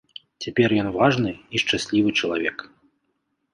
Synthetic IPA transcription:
t͡sʲapʲɛrjɔnvaʐnɨiʂt͡ʂasʲlʲivɨt͡ʂɐlˠavʲɛk

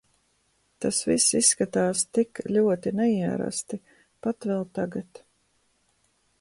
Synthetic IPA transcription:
t̪asvisisːkat̪aːst̪iklʲuɔt̪inɛiɛɾa̰st̪i | pat̪vɛlˠt̪aɡat̪

